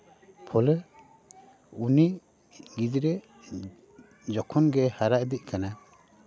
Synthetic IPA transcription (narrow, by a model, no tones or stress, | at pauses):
pʰɔlɛ | uni | ɡid͡ʒɾɛ | d͡ʒɔkʰɔnɡɛhaɾaʔd̪iʔ̚kana